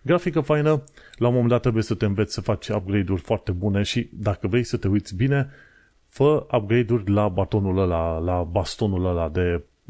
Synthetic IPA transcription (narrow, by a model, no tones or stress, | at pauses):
ɡɾafikəfajnəlaomomend̪at̪ːɾebuje̞sət̪e̞ɨnve̞t̪sʲsəfat͡ʃʲap̚ɡɾe̞jd̪urʲfoart̪e̞bune̞ʃid̪akəvɾe̞jsət̪e̞ujt̪sʲbine̞ | fəap̚ɡɾe̞jd̪urʲlabat̪o̞nuləlalabast̪o̞nuləlad̪e̞